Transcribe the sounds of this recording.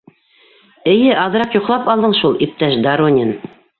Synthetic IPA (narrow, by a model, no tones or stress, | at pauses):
ɘ̆jɘʔɑlˠɤ̆ɾɑqjŏqlˠɑpɑlˠd̪ɤɴʃulˠip̚t̪æʃd̪aɾonʲɪn